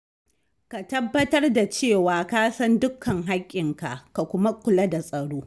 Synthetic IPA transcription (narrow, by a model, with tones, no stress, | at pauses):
ka˨tɐ˦bːɐ˦tɐ˦rda˨t͡ʃeː˦˨waː˨kaː˦sɐ˦ndʊ˦kʰːɐ˨ŋɦa˦kʲʼːɪ˨ŋka̰˨ʔka˨kʷʊ˦ma˦kʷʊ˨lɐ˦da˨sʼɐ˨ɽoː˦